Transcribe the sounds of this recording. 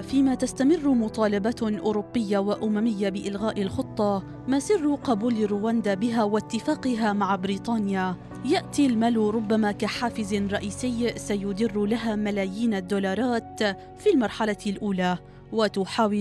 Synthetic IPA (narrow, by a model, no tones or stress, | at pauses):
fiːmaːt̪ast̪amɪrːmʊt̪ˤɑːlɑbaʔʊːɾʊbːɪjːawaʔʊmamɪjːabɪʔɪlɣaːʔɪlxʊt̪ˤːɑ | masɪrːqɑbuːlɾːuːwand̪aːbɪɦaːwat̪ːɪfaːqɪɦamaʕbɪɾiːt̪ˤɑːnɪja | jaʔt̪ilmalɾˤʊbːamaːkaħaːfɪzɾˤɑʔiːsɪjsajʊd̪ɪrːlaɦaːmalaːjiːnad̪ːuːlɑːɾˤɑːt̪ | filmɑɾˤħalalʔuːlaː | wat̪ʊħaːwɪ